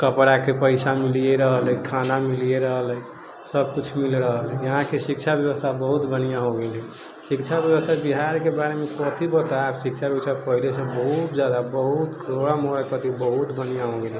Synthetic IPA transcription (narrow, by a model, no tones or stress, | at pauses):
kəpɾakepəɪsamilijeɾəɦələikʰanamilijeɾəɦəl | səb̚kut͡ʃʰmilɾəɦəlɛjəɦãkesik̚t͡ʃʰabjəwəst̪ʰabəɦut̪bənijãɦoɡelɛ | sikt͡ʃʰabjəwəst̪ʰabiɦaɾkebaɾemekɔt̪ʰibət̪aebsik̚t͡ʃʰabjət͡ʃʰapəɦilesẽbəɦut̪̚d͡ʒad̪abəɦut̪kʰəɾoɽamoɾakət̪ibəɦut̪bənijãɦoɡelɛ̃